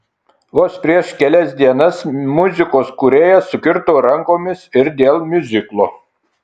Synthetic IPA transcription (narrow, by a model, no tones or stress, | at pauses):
ʋoːspʲɾʲiɛʃkʲɛlʲɛs̬ʲd̪ʲiɛnɐsmʊzʲɪkoːskuɾʲeːjɛsʊkʲɪɾt̪oːɾɐŋkoːmʲɪsɪɾd̪ʲeːlˠmʲʊzʲɪklˠoː